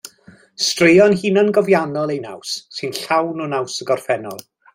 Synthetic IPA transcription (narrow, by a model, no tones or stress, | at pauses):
strejɔnhiːnənɡɔvjanɔlˠejna̰wsːɨnɬawnɔnawsəɡɔrfɛnɔ̰lˠ